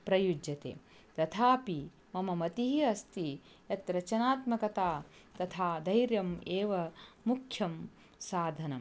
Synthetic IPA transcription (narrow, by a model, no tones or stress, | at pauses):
pɾɐjud͡ʒjɐt̪ḛː | t̪ɐt̪ʰaːpi | mɐmɐmɐt̪iɦiɐst̪i | jɐt̪ɾɐt͡ʃɐnaːt̪mɐkɐt̪aːt̪ɐt̪ʰaːd̪ʱɐjɾjɐmeːʋɐmukʰjɐm | saːd̪ʱɐnɐ̰m